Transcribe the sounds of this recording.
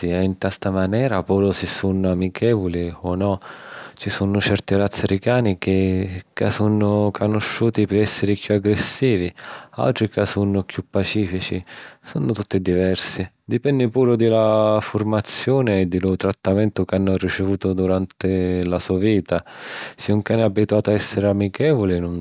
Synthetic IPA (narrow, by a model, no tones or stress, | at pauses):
iɛint̪ast̪amanɛːɾapuːɾʊsɪsːunʊamikʰɛːvʊliɔnɔt͡ʃisunʊt͡ʃɛrt̪iɾat̪sːɪɾikaːnikɪka̰sunːʊkʰonʊʃːuːt̪ipɪɾɛsːɪɾikjuaɡɾesːiːvia̰lt̪ɾikasunʊkjupːat͡ʃiːfit͡ʃisunʊt̪ut̪ːɪd̪ivɛrsi | d̪ipɛnːɪpuːɾʊd̪ɪlafʊrmat̪sːjoːneːd̪ːɪlʊt̪ɾat̪ːamɛnt̪ʊkanːʊrit͡ʃɪvuːt̪ʊd̪uɾant̪ɪlasuːaviːt̪asɪuŋkanɪabːit̪uaːt̪ʊaɛsːeɾɪamːikɛːvʊlɪnʊn